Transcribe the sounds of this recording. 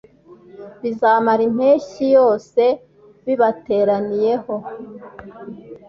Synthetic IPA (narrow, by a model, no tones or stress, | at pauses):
βizaːmaɾim̥he̞ːʃijo̞ːse̞ | βiβate̞ːɾanije̞ho̞